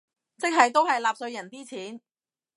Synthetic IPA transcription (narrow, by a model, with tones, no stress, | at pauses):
t͡sɪ˥k̚ɦɐ˨jt̪o˥whɐ˨jlaː˨˧p̚sɵ˧ɥjɐ˨˩nt̪iː˥t͡sʰiː˨˥n